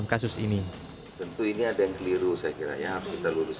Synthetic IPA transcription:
mkasʊsḭni | t̪ənt̪uiniadajaŋkəliɾusajakiɾa̰japakit̪aluɾʊs

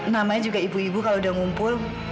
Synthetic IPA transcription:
namaɲad͡ʒuɡaibuibukalodaŋumpul

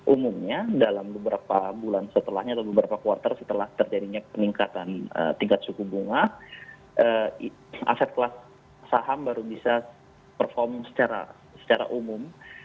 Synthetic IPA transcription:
ʔumumɲadalambəbəɾapabulansət̪əlahɲad̪abəbəɾapakuart̪ərsət̪əlaht̪ərd͡ʒadiɲapəniŋkat̪anə̰t̪iŋkat̪̚sukubuŋah | ʔə | ʔa̰fɛt̪̚kəlasː | aɦambaɾubisa | pərfɔmsə̥t͡ʃaɾa̰ | sə̥t͡ʃaɾa̰ʔumʊm

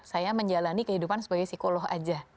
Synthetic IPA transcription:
sajaməɲd͡ʒalanikəhidupansəbaɡajsikolɔɦa̰d͡ʒa

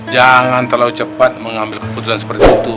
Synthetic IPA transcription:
d͡ʒaŋant̪əlaut͡ʃəpat̪̚məŋambɪlkəput̪usansəpərt̪iːt̪u

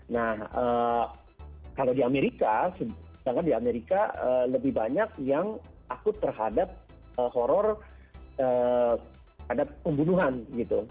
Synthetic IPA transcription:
nahəː | kalawdiameɾikasəsədaŋan̚diameɾikaələbɪhbaɲak̚jaŋ | akʊt̪ːərɦadap̚ | əhoɾɔr | əː | əadapːəmbunuɦanɡit̪u

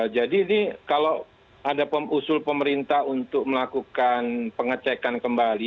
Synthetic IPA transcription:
d͡ʒadiːnikalo | adapəusʊlpəməɾint̪ahunt̪ʊk̚məlakukanpəŋət͡ʃekankəmbali

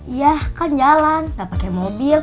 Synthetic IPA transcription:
jahkand͡ʒalanɡapakɛmobil

